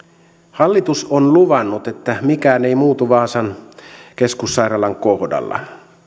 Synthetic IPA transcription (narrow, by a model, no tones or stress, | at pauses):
hɑlːit̪usonluʋɑnːut̪et̪ːæmikæːne̞imuːt̪uʋɑːsɑnke̞skusːɑjrɑlɑŋkohdɑ̰lːɑ̰